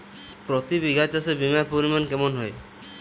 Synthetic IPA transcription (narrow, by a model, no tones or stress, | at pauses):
pɾɔt̪ibiɡʱat͡ʃasebimapoɾimankemonɦɔe